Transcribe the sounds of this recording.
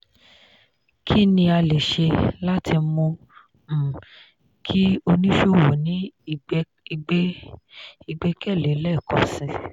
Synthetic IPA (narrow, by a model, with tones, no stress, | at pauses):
kʰi˦nĩ˧a˧le˨ʃe˧la˦tʰi˧mõ˧˨ | kʰi˦o˧nĩ˦ʃo˦˨wo˨nĩ˨˦˧ | i˧ɡ͡bɛ˦kɛ˦˨le˨˦lɛ˦˨kɔ˨sĩ˧